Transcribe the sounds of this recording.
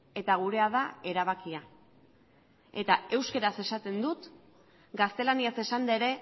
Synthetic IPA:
e̞t̪aɣ̞uɾe̞að̞ae̞ɾaβ̞akia | e̞t̪ae̞wskeɾase̞sat̪e̞nd̪ut̪ | ɡast̪e̞laniase̞sand̪aeɾe̞

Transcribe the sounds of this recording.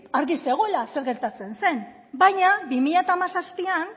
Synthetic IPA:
aɾɣise̞ɣ̞o̞elase̞ɾɣe̞ɾt̪at͡se̞nse̞n | bajɲabimiʎat̪aːmasaspian

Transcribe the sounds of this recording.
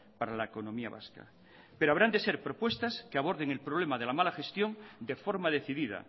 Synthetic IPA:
paɾalaeko̞nõ̞mia̰βa̰ska̰ | peɾo̞aβɾand̪e̞se̞ɾpɾo̞pwe̞st̪askeaβ̞o̞ɾðe̞ŋe̞lpɾoβ̞le̞maðe̞lamalaxe̞st̪jo̞nd̪efo̞ɾmað̞e̞θiðiða̰

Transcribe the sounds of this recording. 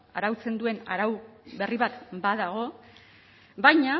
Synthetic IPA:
aɾawt͡se̞nd̪ue̞na̰ɾawβe̞riβat̪baðaɣ̞o̞ | bajɲa

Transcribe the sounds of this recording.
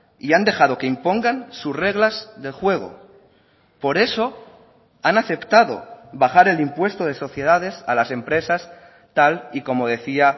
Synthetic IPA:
iand̪e̞xað̞o̞ke̞impo̞ŋɡansusre̞ɣ̞lazðe̞lxwe̞ɣ̞o̰ | po̞ɾe̞so̞ | anaθe̞pt̪aðo̞̰βaχaɾe̞limpwe̞st̪o̞ð̞e̞so̞θje̞ð̞að̞e̞salase̞mpɾe̞sas | t̪aliko̞mo̞ðe̞θia

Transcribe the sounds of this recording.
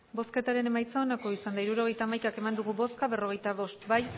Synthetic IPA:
bo̞ske̞t̪aɾe̞ne̞majt͡saonako̞isand̪aiɾuɾo̞ɣ̞e̞jt̪aːmajkake̞mand̪uɣubo̞skaβero̞ɣ̞e̞jt̪aβo̞st̪baj

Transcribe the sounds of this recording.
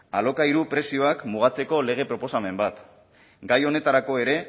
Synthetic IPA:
a̰lo̞kaiɾupɾe̞sio̞akmuɣ̞at͡se̞ko̞le̞ɣe̞pɾo̞po̞same̞mbat̪ | ɡajo̞ne̞t̪aɾako̞e̞ɾe̞

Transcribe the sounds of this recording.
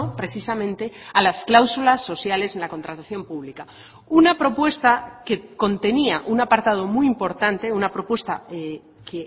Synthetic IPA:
opɾe̞θisamẽ̞nt̪e̞alasklawsulasːo̞θjale̞senlakont̪ɾat̪aθjo̞mpuβlika | unapɾo̞pwe̞st̪ake̞ko̞nt̪e̞niaʔunapaɾt̪að̞o̞mujimpo̞ɾt̪ant̪e̞unapɾo̞pwe̞st̪ae | ke

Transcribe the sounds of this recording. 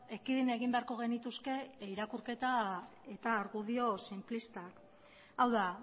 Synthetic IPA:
e̞kiðineɣ̞imbe̞aɾko̞ɣ̞e̞nit̪uske̞iɾakuɾke̞t̪ae̞t̪aːɾɣuðio̞simplist̪ak | awða

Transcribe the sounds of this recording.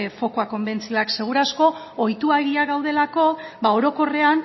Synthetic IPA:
fo̞koako̞mbe̞nt͡sioakse̞ɣ̞uɾasko̞ojt̪uaeɣiaɣawð̞e̞lako̞bao̞ɾo̞ko̞re̞an

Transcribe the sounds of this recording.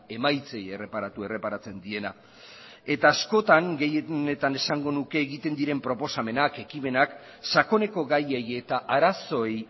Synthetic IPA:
e̞majt͡se̞je̞re̞paɾat̪ue̞re̞paɾat͡se̞nd̪ie̞na | e̞t̪aːsko̞t̪aŋɡe̞jene̞t̪ane̞saŋɡo̞nuke̞ːɣit̪e̞nd̪iɾe̞mpɾo̞po̞same̞nake̞kime̞nak | sako̞ne̞ko̞ɣaje̞je̞t̪aʔaɾaso̞ej

